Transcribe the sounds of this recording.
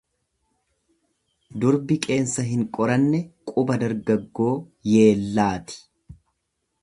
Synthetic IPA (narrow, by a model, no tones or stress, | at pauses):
d̪ʊɾbɪkʼe̞ːnsɐɦɪŋkʼɔɾɐnːɛkʼʊbɐd̪ɐɾɡɐɡːo̞ː | je̞ːlːaːt̪ɪ̥